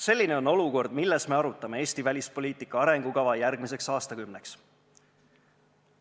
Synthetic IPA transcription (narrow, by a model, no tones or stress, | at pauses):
se̞lʲːine̞o̞no̞luko̞rd̪̥milːesme̞ɑɾut̪ːˑɑme̞e̞ːsʲt̪ivælʲispo̞liːt̪ˑikːˑɑɑɾe̞ŋɡ̥ukɑvɑjærɡ̥mise̞ksɑːst̪ɑkymneks